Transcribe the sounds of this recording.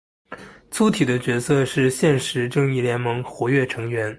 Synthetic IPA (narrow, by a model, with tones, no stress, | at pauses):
t͡sʰu˧˥t̪ʰi˨˩d̪ə˦t͡ɕɥɛ˧˥sɤ˥˧ʂɻ̩˥˧ɕjɛ˥˩nʂɻ̩˧˥ʈ͡ʂɤ˥˧ŋi˥˩ljɛ˧˥nmɤ˧˥ŋxwɔ˧˥ɥɛ˥˩ʈ͡ʂʰɤ˧˥ŋɥɛ˧˥n